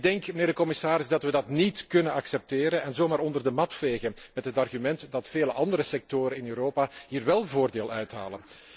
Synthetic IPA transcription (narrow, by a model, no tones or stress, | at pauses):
dɛŋkməneːrdəkɔmɪsaːɾɪzdɑtʋədɑtnitkɵnənɑksɛp̚teːɾənɛnzoːmaːɾɔndərdəmɑtfeːɣənmɛtɦətɑrɣymɛntdɑtfeːləʔɑndəɾəsɛk̚toːɾənɪnøːɾoːpaɦiːrʋɛlˠvoːrdeːlˠœɥtɦa̰ːlən